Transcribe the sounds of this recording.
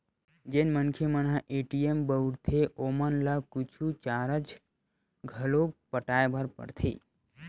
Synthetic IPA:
d͡ʒenmənkʰemənãʔeʈiembəuɽt̪ʰeʔomənlakut͡ʃʰut͡ʃaɾət͡ʃ | ɡʱəlok̚pəʈajbʱəɾpə̰ɾt̪ʰḛ

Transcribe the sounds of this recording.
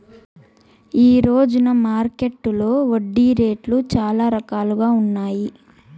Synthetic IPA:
iːɾoːd͡ʒunɐmaːɾke̞ʈːulo̞ːʋoɖːiɾe̞ːʈlut͡ʃaːlaːɾɐkaːluɡaːunːaːji

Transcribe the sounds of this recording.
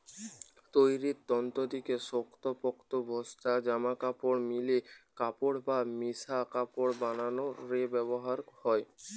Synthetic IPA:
t̪ojɾit̪t̪ːɔnt̪od̪ikesokt̪opɔkt̪obʱɔsʈ̪ad͡ʑamakapoɽmilekapoɽbamisakapoɽbananoɾebɛβoɦaɾhɔe

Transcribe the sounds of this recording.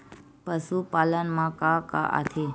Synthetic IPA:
pəsupalənmãkãka̰ʔa̰t̪ʰe

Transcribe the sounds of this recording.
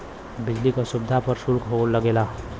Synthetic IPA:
bid͡ʒlikasubd̪ʱapəɾsulkɦoləɡela

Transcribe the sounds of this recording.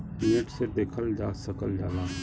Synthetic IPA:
piːə̃ʈsed̪eːkʰəld͡ʒaːsəkəld͡ʒaːlaː

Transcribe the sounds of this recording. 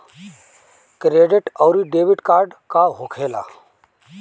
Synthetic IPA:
kɾeːɖɪʈɔwɾiɖeːʋɪʈkaːɾɖkaɦokʰeːla̰ː

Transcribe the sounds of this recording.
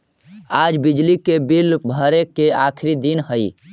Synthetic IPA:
ad͡ʒbid͡ʒlikebilbʱəɾekeakʰɾid̪inhəj

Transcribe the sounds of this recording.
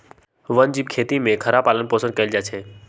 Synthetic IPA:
ʋənd͡ʒibkʰeːt̪imẽkʰəɾapaːlənpoːsə̃nkɐɪld͡ʒaːt͡ʃʰeː

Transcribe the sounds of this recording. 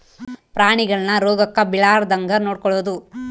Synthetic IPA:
pɾaːɳiɡɐɭɐnːɐɾoːɡɐkːɐbiɭaːɾd̪ɐŋɡɐnoːɖ̚kɔɭːoːd̪u

